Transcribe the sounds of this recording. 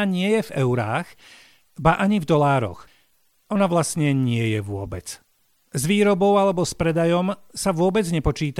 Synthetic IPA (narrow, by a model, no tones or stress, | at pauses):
aɲɪɛjɛvɛʊɾaːɣ | baʔaɲivd̪ɔlaːɾɔ̰x | ɔnaʋlastɲɛɲɪɛjɛʋʊɔbɛt͡s | zʋiːɾɔbɔʊalɛbɔspɾɛd̪ajɔmsaʋʊɔbɛd͡zɲɛpɔt͡ʃiːt̪